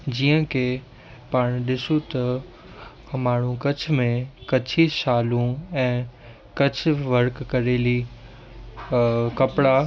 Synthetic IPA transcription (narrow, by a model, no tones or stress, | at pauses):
d͡ʑiːə̃kʰe | paːɽ̃ɗɪsut̪ɐ | maːɳ̤ũkɐt͡ɕʰmẽkɐt͡ɕʰiʃaːlũɛ̃ː | kɐt͡ɕ̆ʰʋɐɾkːɐɾeːli | kɐpɽa